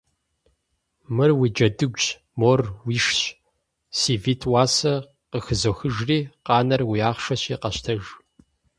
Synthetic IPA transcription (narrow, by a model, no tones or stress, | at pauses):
mɨrwiːd͡ʒɐdɨɡʷɕ | moːrwiːʂɕ | siːviːtʰwaːsɐ | qəxɨzoːxɨʒriːqɑːnɐrwijaːχʂɐɕiːqɐɕtʰɐʒ